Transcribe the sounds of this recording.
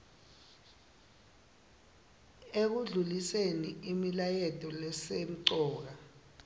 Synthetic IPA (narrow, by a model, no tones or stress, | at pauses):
ek̬uɮuliseniimilajɛtʼɔlɛsɛm̩ǀɔːk̬a